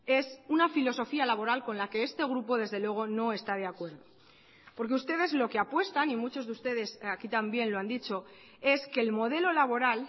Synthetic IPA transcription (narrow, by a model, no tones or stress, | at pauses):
e̞sunafilo̞so̞fialaβo̞ɾalko̞nlake̞est̪e̞ɣ̞ɾupo̞ðe̞zðe̞lweɣ̞o̞no̞e̞st̪að̞eakwe̞ɾðo̞ | po̞ɾk̬eust̪e̞ðe̞zlo̞ke̞apwe̞st̪animut͡ʃo̞zðust̪e̞ð̞e̞sakit̪ambje̞nloand̪it͡ʃo̞ | e̞ske̞ːlmo̞ð̞e̞lo̞laβ̞o̞ɾal